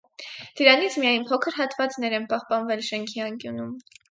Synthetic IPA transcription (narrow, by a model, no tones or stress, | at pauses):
d̪̥əɾɑnit͡sʰmijɑjnpʰɔkʰəɾɦɑt̪vɑt͡sn̪ɛɾɛnpɑhpɑnvɛlʃɛŋkʰiɑŋkjunum